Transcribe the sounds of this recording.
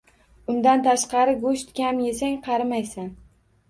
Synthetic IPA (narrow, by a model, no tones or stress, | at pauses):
ʊnd̪ant̪ʰaʃqɑɾɪɡoʃt̪kʲamje̞saŋqʰɑɾɪmajsan